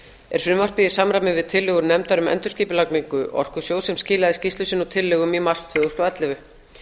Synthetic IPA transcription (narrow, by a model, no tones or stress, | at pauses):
ɛɾ̥fɾɪmvar̥piːðɪsamɾapmɪnvɪðt̪ʰɪlːʏɣʏnɛmt̪aɾʏmɛ̰nt̪ʏ̥ɾsciːpʏlawkniŋkʏʔɔ̰r̥kʏsjoːwsɛmscɪːlaðɪscist̪lʏsɪnːɔt̪ʰɪlːɛɣʏmimar̥st̪ʰʏðowst̪ɔɣɛt̪lɛvʏ